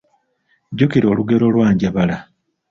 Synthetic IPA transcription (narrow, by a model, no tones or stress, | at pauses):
ɟukiɾo̞ːluɡe̞ɾo̞lwaːɲɟaβala